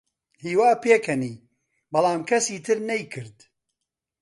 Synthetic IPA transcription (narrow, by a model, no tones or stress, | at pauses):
hiːwaːpeːkʰɐniː | bɐlˠaːmkʰɐsiːt̪ʰɨɾnɐjkʰɨɾd̪